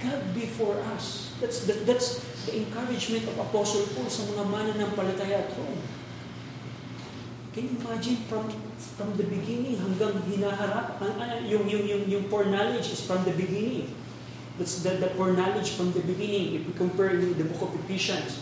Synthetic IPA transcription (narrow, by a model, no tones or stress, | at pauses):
ɡ̥ad̪̚bɪfɔɹʔɐs | d̪at̪sd̪ɐd̪at̪s | d̪ɐʔɛ̃ŋkaɹɪd͡ʒmɛ̃nt̪ɔvɐposolpolsɐmɐŋamanɐnɐŋpɐlɐt̪aːjɐʔɐt̪̚howm | kɛnjʊʔɪmad͡ʒɪ̃nfɹɐm | fɹɐmd̪ɐbɪɡɪnɪŋɦɐŋɡaŋhɪnaːɦɐɾapɐʔɐjʊŋjʊŋjʊŋjʊŋpoɹnalod͡ʒɪsfɹɐmd̪ɐbɪɡɪnɪ̃ŋ | d̪at̪sd̪ɐd̪ɐpɔɹnalɪd͡ʒfɹɔmd̪ɐbɪɡɪnɪŋʔɪfwikɔmpɛɹnd̪ɐbokovɪpɪʃɐ̃ns